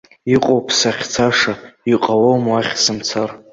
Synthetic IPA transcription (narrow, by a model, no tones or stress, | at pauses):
iqʼowpʰsaχʲt͡sʰaʂaiqʼawowmaχʲsɨmt͡sʰar